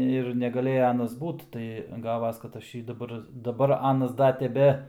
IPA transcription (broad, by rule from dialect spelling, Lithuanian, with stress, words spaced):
ɪr nʲɛɡɐˈlʲeːjɛ ˈɑːnɐs ˈbuːt tɐɪ ˈɡɑːʋɐs kɐt ˈɐʃ ˈjiː dɐˈbɐr dɐˈbɐr ˈɑːnɐs ˈdɐ tʲɛˈbʲɛ